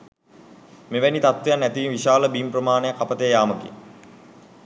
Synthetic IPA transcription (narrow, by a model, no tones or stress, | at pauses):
meʋænit̪at̪ʋejanːæt̪iʋinʋiʃaːləbimprəmaːnəjakːapət̪əjjaːməkḛ